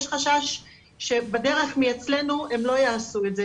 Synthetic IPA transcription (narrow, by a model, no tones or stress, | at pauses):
jʃχaʃaʃː | e̞bedeʁe̞χmijet͡sle̞nue̞mlo̞jaːsuetze